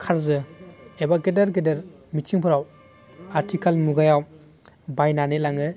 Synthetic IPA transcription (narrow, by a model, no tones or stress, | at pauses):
kʰaɾzɯebaɡedaɾɡedeɾ | mit͡ʃiŋpʰɯɾaw | aɾtʰikʰalmuɡajaw | bajnanelaŋɯ